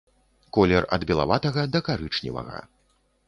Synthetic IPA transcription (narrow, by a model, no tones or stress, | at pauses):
kɔlʲɛrɐ̰d̪bʲɛlˠa̰vat̪ɐɣɐd̪ɐkaɾɨt͡ʂnʲḭvɐ̰ɣɐ̰